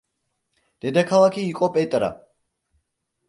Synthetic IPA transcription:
d̪̥ɛd̪akʰalˠakʰiːqʼɔpʼɛt̪ʼɾa̰

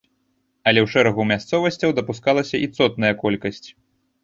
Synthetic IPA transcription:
ɐlʲɛwʂɛɾɐɣumʲast̪sɔvɐsʲt͡sʲɐwd̪ɐpuskalˠɐsʲɐʔit̪sɔt̪̚nɐjɐkɔlʲkɐsʲt͡sʲ

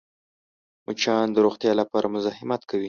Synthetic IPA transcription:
mʊt͡ʃɑnd̪əɾoxt̪jɑlapɑɾʔamʊzɑhɪmat̪kʰawi

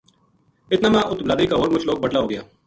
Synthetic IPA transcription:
ɪt̪naːmɛ̃ʔʊt̪blaːd̪iːkaːɦoːɾmʊt͡ʃʰloːk̚bəʈlaːɦoːɡəja̰ː

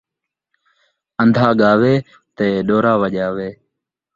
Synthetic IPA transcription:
ənd̪ʱaːɠaːʋeː | t̪eːɗoːɾaːʋəʄaːʋeː

